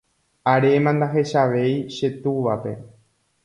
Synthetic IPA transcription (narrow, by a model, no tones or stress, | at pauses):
aɾemãnd̪aɦe̞ʃaʋe̞jʃe̞t̪uʋape̞̰